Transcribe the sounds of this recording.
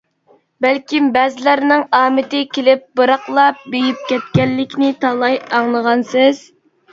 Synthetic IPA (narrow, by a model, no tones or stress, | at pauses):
bælkʲimbæːzɪlæɾnɪŋɑːmɪt̪ɪkʲʰelɪp̚bɨɾɑqlˠɑp̚bejip̚kʲʰɛt̪̚kʲɛlːɪkʲnɪt̪ʰɑlˠɑjɑŋlˠəʁɑnsɪz̥